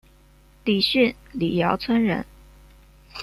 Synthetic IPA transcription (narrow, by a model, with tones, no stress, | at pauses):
li˨˩ɕy˥˩nli˨˩jɑ˧˥ʊt͡sʰwə˥nɻə̰˧˥n